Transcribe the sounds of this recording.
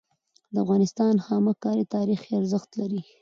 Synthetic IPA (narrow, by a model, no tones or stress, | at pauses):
d̪əafɣɑnɪst̪ɑnhɑməkɑɾit̪ɑɾixeaɾzəxt̪laɾi